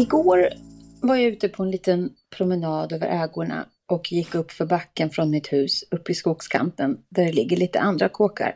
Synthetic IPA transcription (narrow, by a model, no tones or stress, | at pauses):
ɪɡoːɾvaɾjaʉ̟ːt̪əpʰɔɛnliːt̪ənpʰɾʊmənɑːd̪øːvə̰ɾʔɛːɡʊɳa̰ | ʔɔkʰjɪkːɵpːfœɾbakːənfɾɔnmɪt̪hʉ̟ːsɵpːɪskuːɡskʰa̰nt̪ənd̪æɖɛlɪɡːəɭiːt̪ə̰ʔand̪ɾakʰoːka̰ɾ